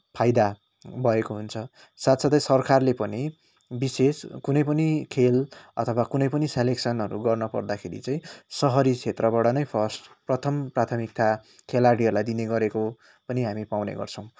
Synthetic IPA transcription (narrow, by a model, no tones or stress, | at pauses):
pʰajd̪a | bʱʌekoɦunt͡sʰʌ | sat̪sʌt̪ʌsʌrkarlepʌni | biseskunʌjpʌnikʰelʌ̰t̪ʰʌwakunʌjpʌniseleksʌnʌɾuɡʌrnʌpʌ̰rd̪akʰḛɾḭt͡saĩsʌɦʌɾit͡sʰet̪rʌbaɽʌnʌjpʰʌsʈprʌt̪ʰʌmprat̪ʰʌmik̚t̪a | kʰelaɽiʌɾlajd̪ineɡʌɾeko | pʌniɦamipawnḛɡʌ̰rt͡sʰʌ̃w̃